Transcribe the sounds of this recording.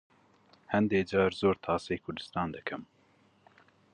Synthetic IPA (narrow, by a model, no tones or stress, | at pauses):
hɛnd̪eːd͡ʒɑːɾzoːɾt̪ʰɑːseːkʰʊɾd̪ɨst̪ɑːnd̪ɨkʰɨm